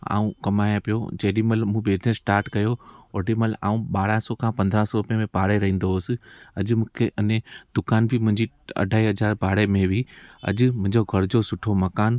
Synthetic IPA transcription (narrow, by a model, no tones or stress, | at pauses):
a̰ːũkɐmaːjãpijo̰d͡ʑeːɗiməlmũːbeːznesʈaːɾʈkɐjooɖiməla̰ːũɓaːɽasɔkʰãpɐ̃nd̪ɾãsɔɾʊpjẽmẽpaːɽeɾɐɦĩːn̆d̪oɦʊsɪ̆ɐʄmũːkʰeʔɐnẽd̪̥ʊkaːnbʱɪmʊ̃ɦɪ̃ɲd͡ʑi | ɐ̰ɖʱaːiɦɐzaːɾbʱaːɽemẽʋiɐ̰ʄʊmʊ̃ɦɪ̃ɲd͡ʑoɡʱɐɾd͡ʑosʊʈʰomɐkaːn